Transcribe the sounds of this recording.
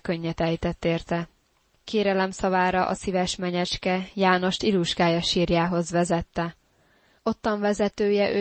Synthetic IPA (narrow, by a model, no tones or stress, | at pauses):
køɲːɛt̪ɛjt̪ɛt̪ːeːrt̪ɛ | kʰeːɾɛlɛmsɒvaːɾɒʔɒ̰sivɛʃmɛɲɛt͡ʃkɛjaːno̞ʃt̪iluʒɡaːjɒʃiːrjaːɦo̞zʋɛzɛt̪ːɛ | o̞t̪ːɒɱvɛzɛt̪øːjɛʔø